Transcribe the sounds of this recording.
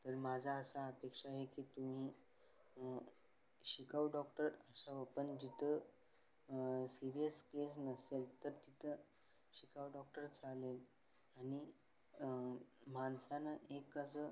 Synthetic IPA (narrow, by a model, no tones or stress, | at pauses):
t̪əɾmad͡zʱaəsaəpekʂaɦekiːt̪um̤i | ɕikaʋɖɔk̚ʈəɾəsaʋəpənd͡ʑit̪ʰə | siɾijəskes̬nəselt̪əɾt̪it̪ʰə | ɕikaʋɖɔk̚ʈəɾt͡salel | aɽ̃i | mansanəʔekəsə